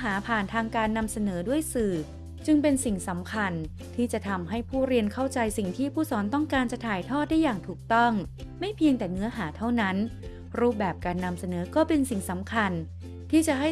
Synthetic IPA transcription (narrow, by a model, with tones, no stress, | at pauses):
ɦaː˩˦pʰaː˨˩nt̪ʰaː˧ŋkaː˧nːa˧msa˧nɤː˩˦du˥˩əjsɯː˨˩ | t͡ɕɯ˧ŋpe˧nsi˨˩ŋsa˩˦mkʰa˧n | t̪ʰiː˥˩t͡ɕa˨˩t̪ʰa˧mɦa˥˩jpʰuː˥˩ɾi˧ənkʰa˥˩wt͡ɕa˧jsi˨˩ŋt̪ʰiː˥˩pʰuː˥˩sɔː˩˦nt̪ɔ˥˩ŋkaː˧nt͡ɕa˨˩t̪ʰaː˨˩jt̪ʰɔː˥˩t̪̚daː˥˩jːaː˨˩ŋt̪ʰuː˨˩k̚t̪ɔ˥˩ŋma˥˩jpʰi˧əŋt̪ɛː˨˩ŋɯ˦˥ɐɦaː˩˦t̪ʰa˥˩wna˦˥n | ɾuː˥˩p̚bɛː˨˩p̚kaː˧nːa˧msa˧nɤː˩˦kɔː˥˩pe˧nsi˨˩ŋsa˩˦mkʰa˧n | t̪ʰiː˥˩t͡ɕa˨˩ɦa˥˩